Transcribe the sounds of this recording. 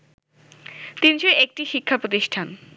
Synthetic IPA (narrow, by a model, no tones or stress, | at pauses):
t̪inʃoek̚ʈiʃikʰːapɾot̪̬iʃʈʰan